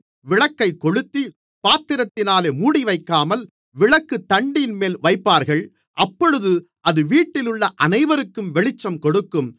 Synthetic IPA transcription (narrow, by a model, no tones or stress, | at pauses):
ʋɪɭɐkːɐɪkːɔɻɯt̪ːi | paːt̪ːɪɾɐt̪ːɪnaːleːmuːɽiʋɐɪkːaːmɐl | ʋɪɭɐkːɯt̪ːɐɳɖɪnmeːlʋɐɪpːaːɾɣɐɭ | ʔɐpːɔɻɯðɯ | ʔɐðɯʋiːʈːɪlɯɭːɐʔɐnɐɪʋɐɾɯkːɯmʋɛɭɪt͡ʃːɐmkɔɽɯkːɯm